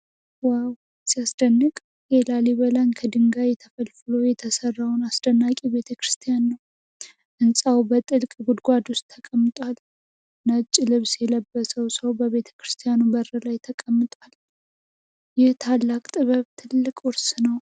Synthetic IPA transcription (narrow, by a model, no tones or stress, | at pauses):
waw | sijasd̪̥ənːɨkʼ | jelaleβəlankʰəd̪ɨŋɡajɛt̪ʰəfəlfɨlojɛt̪ʰəsərːawnasd̪ənːakʼiβe̞t̪ʰəkɾɨst̪ʰijanːəw | ʔɨnsʼawbət̪ʼɨlkʼɡud̪ɡʷad̪wʊst̪ʰːəkʼəmːɨt̪ʼwal | nət͡ʃʼːlɨβsjɛləbːəsəwsəwbəβe̞t̪ʰə̥kɾɨst̪ʰijanubərəlajt̪ʰəkʼəmːɨt̪ʼwal | jɛht̪ʰalːakʼt̪ʼɨβəβt̪ʰɨlːɨkʼwʊɾsnəw